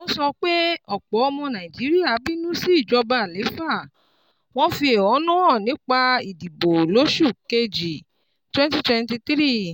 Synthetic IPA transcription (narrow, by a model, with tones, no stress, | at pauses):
ɔ̃˦sɔ˧k͡pe˦ɔ˦˨k͡pɔ˨˦ɔ˧mɔ̃˧nã˨i˨d͡ʒi˨˦ɾi˦a˦˨bi˦nũ˦si˦i˦˨d͡ʒɔ˧ba˨le˨˦fa˦˨ | w̃ɔ̃˦fi˧e˨ɔ˨˦nũ˦ɔ̃˦˨nĩ˨˦k͡pa˧i˨di˨bo˨lo˨˦ʃu˦˨ke˧d͡ʒi˨ | twɛ̃˦nti˦twɛ̃˧nti˧t̪ɾi˦˨